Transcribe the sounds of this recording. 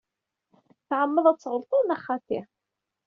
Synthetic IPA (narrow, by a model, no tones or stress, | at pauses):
θʕəmːəðˤæt͡sːʁəlt̪ˤoðˤnæχɑt̪iʁ